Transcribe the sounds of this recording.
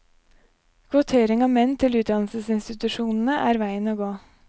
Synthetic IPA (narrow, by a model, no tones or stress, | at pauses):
kʰʋʊt̪ʰeːɾɪŋɑːʋmɛnːt̪ʰɪlʉːt̪̚d̪ɑnl̩səsɪnst̪ɪt̪ʉʂuːnn̩əʔæːɾʋæɪənoːɡoː